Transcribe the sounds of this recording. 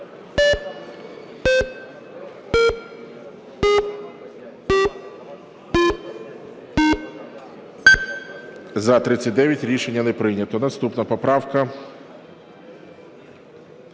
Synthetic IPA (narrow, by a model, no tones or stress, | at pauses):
zɐt̪ɾɪt͡sʲːɐtʲd̪ɛʋʲjɐtʲɾʲiʃenʲːɐnɛpɾɪjnʲɐt̪ɔnɐst̪upnɐpɔpɾɑwkɐ